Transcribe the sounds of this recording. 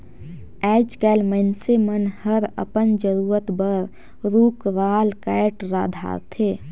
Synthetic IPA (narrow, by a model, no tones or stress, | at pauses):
ɛd͡ʒkɛlmənsemənhəɾə̰pənd͡ʒəɾuːɾət̪bəɾ | ɾuːkɾaːlkɛʈɾaːd̪ʱa̰ɾt̪ʰeː